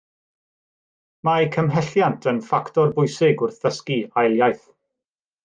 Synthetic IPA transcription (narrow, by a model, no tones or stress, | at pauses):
majkʰəmɦɛɬjantʰənfaktɔrbʊjsɪɡʊrθəskiajlˠjajθ